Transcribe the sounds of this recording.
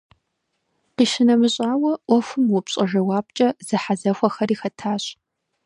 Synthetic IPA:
qiːʃɪnɐmɨɕʼaːwɐʔʷɔfʷʊmwʊpɕʼɐʒɐwaːp̚t͡ʃʼɐz̥ɨħazɐxʷɔxɐriːxɐtʰaːɕ

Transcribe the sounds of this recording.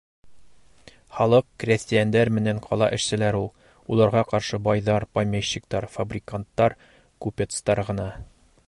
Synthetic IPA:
χɒlˠɤqkrʲæsʲt̪ʲɪjand̪æɾmɘ̆næɴqʰɒlˠɑ̰ʔɘ̆ʃsɘ̆læɾulˠ | ulˠɑɾʁɑqɒɾʃɤbɒjðɑɾpɐjmʲeɕːɪkt̪ɑɾfɐbrʲɪkant̪ːɑɾ | kupʲet̪st̪ɑɾʁɤ̆nɑ

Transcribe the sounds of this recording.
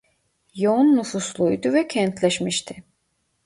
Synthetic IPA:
jonːufuslˠujd̪uvɛcʰɛnt̪ʰlʲɛʃmiʃt̪ʰɪ

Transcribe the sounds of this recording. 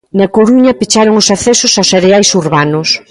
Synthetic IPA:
nɐkoɾuɲɐpet͡ʃaɾoŋʊsaθɛsʊsawseɾeajsuɾβanʊs

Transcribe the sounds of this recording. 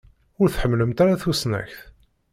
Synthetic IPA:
ʊɾθħəmːləmt̪aɾaθusnæ̰çθ

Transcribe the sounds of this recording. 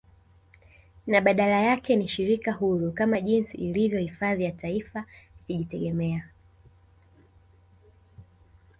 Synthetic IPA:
naɓaɗalajakɛniʃiɾikahuɾukamaʄinsḭːlivjɔhifaðijataifakiʄitɛɠɛmɛa

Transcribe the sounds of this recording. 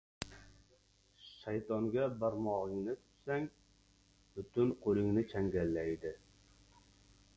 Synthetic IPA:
ʃajt̪ʰɒŋɡʲabaɾmɒʁɪŋnɪt̪ʰʊ̥t̪saŋ | b̥ʊt̪ʰʊnqʰolˠɪŋnɪt͡ʃʰaŋɡʲalːajd̪ɪ

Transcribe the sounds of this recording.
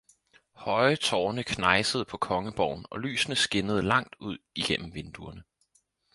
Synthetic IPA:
hɒ̽ɪət͡sʰɒːnəkʰnɑ̈ɪsəð̞̩ˠpʰɒ̽kʰɒ̽ŋəb̥ɒʊn̩ɒ̽ly̰ːsnəsɡ̥e̝nəð̞ˠəlɑ̈ŋ̰d̥uð̞̰ˠiɡ̥en̰m̩ʋe̝nd̥uɐnə

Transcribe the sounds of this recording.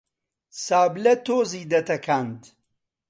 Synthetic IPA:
saːblɐt̪oːziːd̪ɐt̪ɐkʰant̪

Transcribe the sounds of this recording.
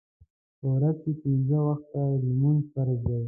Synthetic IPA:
pəwɾazkepinzəwaxt̪alimunsaɾd̪a

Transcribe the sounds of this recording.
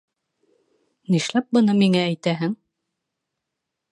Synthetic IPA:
niʃlæp̚bɤ̆nɤmiŋææjt̪æɦɘŋ

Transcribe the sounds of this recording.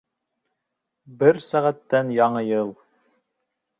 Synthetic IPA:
bɘɾsæʁæt̪ːænjɑɴɤjɤlˠ

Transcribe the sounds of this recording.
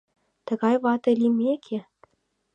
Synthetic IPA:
t̪ɤ̆ɣɑjβɑt̪ɤ̆lʲimʲekʲʰe

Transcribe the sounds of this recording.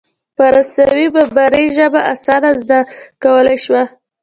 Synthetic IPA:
paɾasawibabaɾeʒəbaʔasɑd̪azd̪akawəlajʃwa

